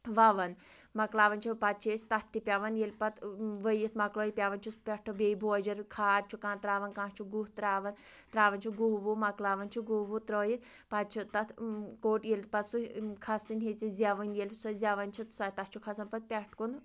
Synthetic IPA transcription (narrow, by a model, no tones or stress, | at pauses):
ʋɐʋɐnmɐklaːʋɐnt͡ʃʰipɐt̪̚t͡ʃʰeːsʲt̪ɐt̪ʰt̪ːipʲaʋɐnjelʲpɐt̪ʰʋəjit̪mɐklɔːjipʲaʋɐnt͡ʃʰuspʲɛʈʰobeibʱoɐd͡ʒɐɾkʰaːɾt͡ʃʰukãːnt̪ɾaːʋɐnkãːt͡ʃʰuɡuɦt̪ɾaːʋɐnt̪ɾaːʋɐnt͡ʃʰuɡuʋumɐklaːʋɐnt͡ʃʰuɡuːɦʋut̪ɾoːjit̪ | pɐt̪̚t͡ʃʰit̪ɐt̪ʰkoːʈjelʲpɐt̪sukʰɐsinɦet͡sizʲaʋɐnjelʲsɔzʲaʋɐnt͡ʃʰit̪sat̪ɐt̪t͡ʃʰukʰɐsɐnpɐt̪̚pʲɛʈʰkun